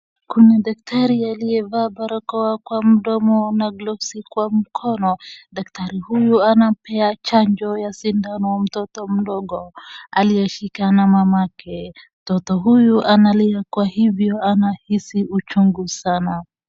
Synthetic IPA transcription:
kuniɗak̚tʰaɾialiɛvabaɾɔkɔakwam̩ɗɔmɔnaɡlɔsikwam̩kʰɔnɔɗak̚taɾihujuanapɛat͡ʃaɲd͡ʒɔjasindanɔm̩tɔtɔm̩ɗɔɠɔaliɛʃikanamamakɛm̩tɔtɔɦujuʔanaliakwahivjɔanahisiut͡ʃuŋɡusana

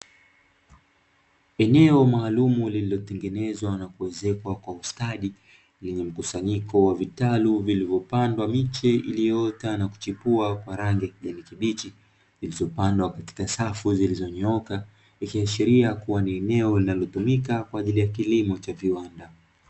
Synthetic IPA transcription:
ɛnɛɔmaːlumulililɔtɛŋɡɛnɛzwanakuɛzɛkwakwaustaɗi | lɛɲɛm̩kusaɲikɔwavitaluvilivjɔpandwamit͡ʃɛḭlijɔtanaku̥t͡ʃipuakwaɾaŋɡijakiʄanikiɓit͡ʃi | zilizɔpandwakati̥kasafuzilizɔɲɔka | ikiaʃiɾiakuwaniɛnɛɔlinalɔtumikakwaːʄilijak̬ilimɔt͡ʃaviwanda

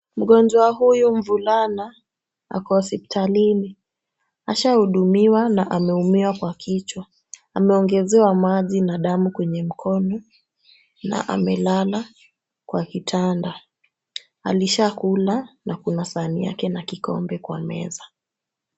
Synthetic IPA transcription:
m̩ɠɔnd͡ʒɔaɦujum̩vulana | a̰kɔsiptʰalini | aʃahuɗumiwanaʔamɛumiwakwakʰit͡ʃwa | amɛɔŋɡɛzɛwamaʄinaɗamukwɛɲɛm̩kʰɔnɔ | na̰ʔa̰mɛlala | kwakitʰanda | a̰liʃakulanakunasanija̰kɛnakikɔ̰mbɛkwa̰mɛ̰za

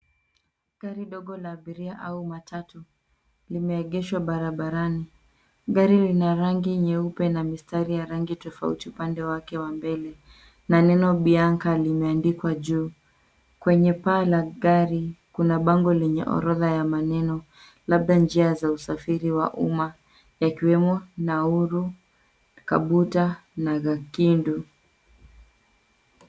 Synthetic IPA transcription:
ɡ̥aɾiɗɔɠɔlaːɓiɾiaʔaumatʰatu | limɛːɠɛʃwaɓaɾaɓaɾani | ɠaɾilinaɾaŋɡiɲɛupɛnamistaɾijaɾaŋɡitɔfa̰ṵtiupandɛwakɛwambɛlɛ | nanɛnɔɓiaŋkalimɛandikwaʄuː | kwɛɲɛpaːlaɡaɾikunaɓaŋɡɔlɛɲɛ̰ʔɔ̰ɾɔðajamanɛnɔ | laɓ̚ɗand͡ʒiazausafiɾiwa̰ʔṵma | jakiwɛmɔnauɾu | ka̰ɓutanaɣakindu

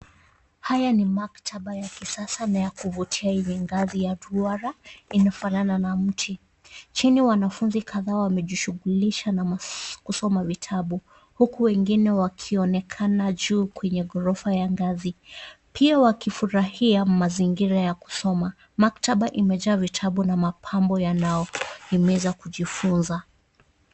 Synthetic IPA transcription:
hajanimaktʰaɓajakisasanajakuvutʰiajɛɲɛŋɡazijaduaɾainafalananam̩tʰi | t͡ʃiniwanafunzikʰaðaːwamɛʄiʃuɣuliʃanamakusɔmavitʰaɓu | hukuwɛŋɡinɛwakʰiɔnɛkʰanaʄuːkwɛɲɛɡɔɾɔfajaŋɡazi | pʰiawakifuɾahiamaziŋɡiɾajaku̥sɔma | maktaɓaʔimɛʄaːvitʰaɓunamapʰambɔjanajɔhimɛzakuʄifunza

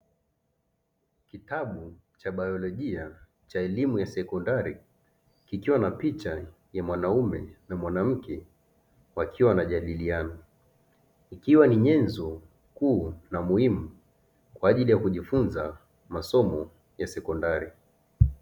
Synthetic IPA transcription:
kitaɓu | t͡ʃaɓajɔlɔʄia | t͡ʃaɛlimujasɛkɔndaɾi | kikiwanapit͡ʃa | jamwanaumɛnamwanam̩kʰɛ | wakʰiwanaʄaɗilianɔ | ikiwaniɲɛnzɔ | kuːnamuhimu | kwaːʄilijakuʄifunza | masɔmɔ | jasɛkɔndaɾi

